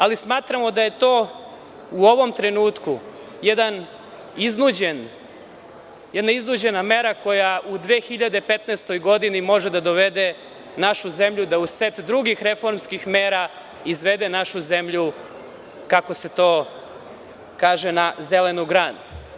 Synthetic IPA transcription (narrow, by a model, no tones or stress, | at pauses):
alismaːt̪ɾamod̪aje̞t̪o̞ː | uo̞ʋo̞mt̪ɾe̞nuːt̪ku | jed̪an | iznud͡ʑen | jed̪naiznud͡ʑe̞name̞ɾako̞jaʔud̪ʋeːxiʎad̪e̞pet̪neːst̪o̞jɡo̞d̪inimo̞ʒed̪ad̪oʋed̪e | naʃuzemʎud̪auset̪d̪ɾuɡixɾe̞fo̞ɾmskixmeːɾa | izʋe̞d̪enaʃuze̞mʎu | kako̞se̞t̪o̞ː | kaːʒenazele̞nuɡɾaːd̪